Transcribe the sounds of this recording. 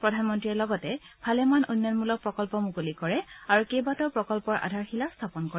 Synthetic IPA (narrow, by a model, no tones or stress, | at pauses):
pɹɔdʱanmɔntɹiɛlɔɡɔtɛ | bʱalɛmanʔunjɔnmulɔk̚pɹɔkɔlpɔmukolikɔɹɛaɹukejbatɔpɹɔkɔlpɔɹʔa̰dʱaɹxilastʰapɔnkɔɹɛ